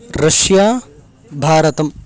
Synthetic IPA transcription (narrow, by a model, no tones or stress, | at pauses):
ɾɐʃjaː | bʱaːɾɐt̪ɐm